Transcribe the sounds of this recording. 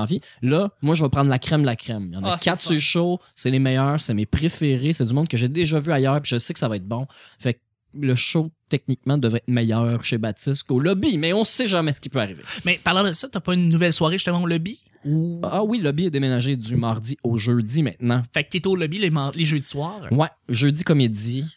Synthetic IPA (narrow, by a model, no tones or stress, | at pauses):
vilʌmwaʒəvɐpʁɑ̃d̪lakχɛmlakʁɛmjɑ̰̃nakat̪seʃosɛlemɛjœːʁsɛmepχefeʁesɛd͡zymɔ̃d̪̚kəʒed̪eʒʌvyajœːʁpiʒəsekə̥savaɛt̪̚bɔ̃fɛk̚ | ləʃot̪ɛk̚nik̚mɑ̃d̪əvʁɛt̪mɛjœːʁʃebat͡s̪ɪst̪kolɔbimɛɔ̃seʒamɛsə̥kʲipøaʁivḛmɛpaʁlɑ̃d̪əsʌt̪apɔynːuvɛlswaːʁeʒy̥st̪əmɑ̃olɔbi | uɔwilɔbiɛd̪emenaʒed̪ymɑʁd̪ioʒødd͡zimɛ̃t̪̚nɑ̃fɛk̚t̪et̪olɔbilemɑleʒød̪iswaːʁwɛʒødd͡zikɔmed͡z̪i